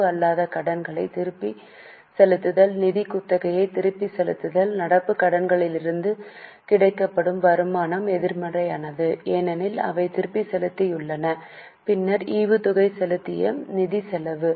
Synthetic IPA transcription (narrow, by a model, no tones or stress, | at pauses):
ɯɐlːaːðɐkɐɽɐnɡɐɭɐɪt̪ɪɾɯpːi | sɛlɯt̪ːɯðɐlnɪðɪkʊt̪ːɐɣɐjɐɪt̪ɪɾɯpːisɛlɯt̪ːɯðɐlnɐɽɐpːɯkːɐɽɐnɡɐɭɪlɪɾɯnd̪ɯ | kɪɽɐɪkːɐpːɐɽɯmʋɐɾɯmaːnɐmɛðɪɾmɐrɐɪa̰ːnɐðɯeːnɐnɪlɐ̰ʋɐɪt̪ɪɾɯpːisɛlɯt̪ːɐjʊɭːɐnɐ | pɪnːɐɾiːʋɯt̪ʊɣɐɪsɛlɯt̪ːɪ̰jɐ̰nɪðisɛlɐʋɯ